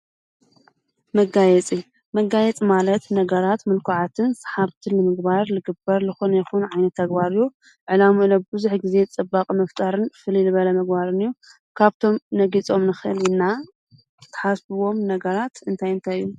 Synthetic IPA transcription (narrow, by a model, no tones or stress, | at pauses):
mɐɡajɛt͡sʼi | mɐɡajɛt͡sʼimalɐt̪nɐɡɐɾat̪mɨlkʰuʕat̪ʰɨnsḁħaβt̪ʰilɨmɨɡbaɾlɨɡɨbɐɾlɨxonjɛxunʕajnɐt̪ʰːɐɡbaɾɨjːu | ʕɨlamuʔɨlobɨzuħɡize̞t͡sʼɨbːakʼmɐft̪ʼaɾɨnfɨlilɨβɐlɐmɐɡ̚baɾɨnɨjːu | kʰaβt̪ʰo̞mnɐɡit͡sʼo̞mnɨxɨʔɨlɪnːa | t̪ʰɐ̥ħasbɨwo̞mnɐɡɐɾat̪ɨnt̪ʰajɨnt̪ʰajijːu